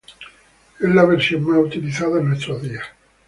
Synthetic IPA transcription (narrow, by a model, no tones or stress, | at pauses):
ezlaβeɾsjoŋmaut̪iliθaðaenːwest̪ɾoðia